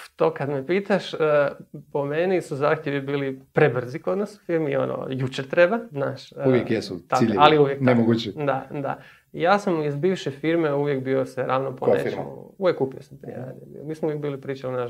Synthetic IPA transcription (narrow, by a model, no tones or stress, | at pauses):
t̪okad̪mepiːt̪aʃəpo̞menisuzaːxt̪jeʋibiːlipɾebr̩ziko̞d̪nasu̥fiɾmio̞̰no̰jut͡ʃeɾt̪ɾebaznaːʃuʋjekjesuakiʎialiuʋjeknemoɡut͡ʃid̪ad̪a̰ | jaːsamizbiːʋʃefiɾme̞uʋjekbiosʋeɾaːʋnoponḛuʋjekupiosampɾḭḛɾa̰ːd̪iobḭomiːsmouʋjekbiːlipɾiːt͡ʃalinaʃ